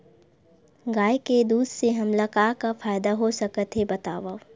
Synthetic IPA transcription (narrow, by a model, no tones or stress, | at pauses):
ɡaːjked̪uːd̪ʱseɦɐmlɐkaːkafaːjd̪aɦosɐkət̪ɦebɐt̪a̰ːʋa